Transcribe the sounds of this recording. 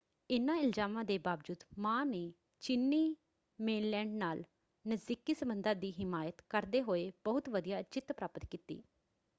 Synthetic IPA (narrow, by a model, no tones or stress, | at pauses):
ɪnãːɪlzaːmãːd̪eːbaːʋd͡ʒuːd̪mãːneː | t͡ʃɪnːiː | meːnlɛːɳɖnaːl | nəzd̪ikiːsəmbənd̪ãːd̪iːɦɪmaːjət̪kəɾd̪eːɦoːeːbəʊt̪ʋəd̪ijaːt͡ʃɪt̪pɾaːpət̪kiːt̪ḭː